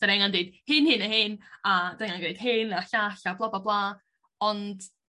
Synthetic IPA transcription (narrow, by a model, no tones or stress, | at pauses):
d̥anɛŋandɨːd̥hɨnhɨnəhɨnadaɛŋanɡrejd̥hɨnaɬaɬablˠɔbablˠaː | ɔnd̥